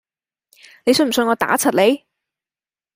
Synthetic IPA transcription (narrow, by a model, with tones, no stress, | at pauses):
ne˨˧jsɵ˧nm̩˨˩sɵ˧nŋɔː˨˧t̪a̰ː˨˥t͡sʰɐ˨˩t̚le˨˧j